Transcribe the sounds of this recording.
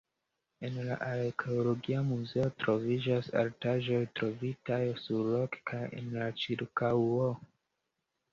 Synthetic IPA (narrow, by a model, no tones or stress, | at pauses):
e̞nla̰ʔaɾekʰeolo̞ɡiamuze̞o̞tɾo̞vid͡ʒasa̰ɾtaʒo̞jtɾo̞vitajsuɾlo̞kkʰajḛnlat͡ʃiɾkawo